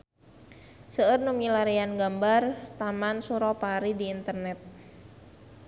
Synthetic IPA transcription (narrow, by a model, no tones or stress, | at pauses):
səərnumilaɾianɡambart̪amansuɾɔpaɾidiːnt̪ərnɛt̪̚